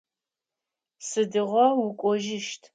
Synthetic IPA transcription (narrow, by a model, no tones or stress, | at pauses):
sɨdɨʁʷɔwʊkʷʼɔʒɪʃtʰ